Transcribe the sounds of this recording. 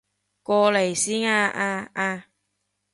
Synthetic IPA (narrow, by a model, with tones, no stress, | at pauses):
kɔː˧le˨˩jsiː˥naː˧ʔaː˧aː˧